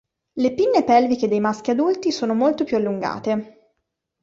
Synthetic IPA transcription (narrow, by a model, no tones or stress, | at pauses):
lepinːepɛlviked̪ejmask̟iad̪ult̪isoːnomolt̪opjualːuŋɡa̰ːt̪e